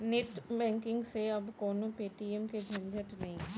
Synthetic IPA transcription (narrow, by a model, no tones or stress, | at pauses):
nɪt̪bɛ̃ːŋkɪ̃ŋɡseɐbkoːnõpeːʈiɛmked͡ʒʱɐ̃nd̪ʱəʈnɐɦĩ